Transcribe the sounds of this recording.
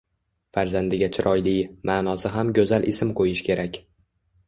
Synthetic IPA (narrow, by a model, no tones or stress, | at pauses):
faɾzand̪ɪɡʲat͡ʃʰɪɾʔɒjlijmaːnɒsɪɦamɡʲɵzalʔɪsɪmqʰojɪʃkʲʰe̞ɾakʲ